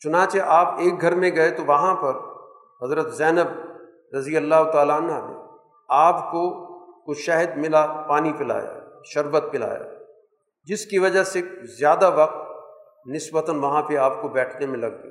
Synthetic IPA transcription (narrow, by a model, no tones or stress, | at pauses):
t͡ʃʊnãːt͡ʃeʔaːpeːk̚ɡʱɐɾmẽɡɐet̪oʋɐɦãpɐɾ | ɦɐzɾət̪zɛːnəb | ɾɐzijəlːaːɦʊt̪aːlaɐnɦad̪ḛ̃ː | aːpkokoʃaːɦəd̪mɪlapaːnipɪla̰ːja̰ʃɐɾʋət̪̚pɪl̤a̰ːja̰ | d͡ʒɪskiʋɐd͡ʒasezjaːd̪aʋɐq̚t̪̚ | nɪsbət̪ənʋɐɦãpeaːpkobɛːʈʰnemẽlɐɡ̚d̪ḛː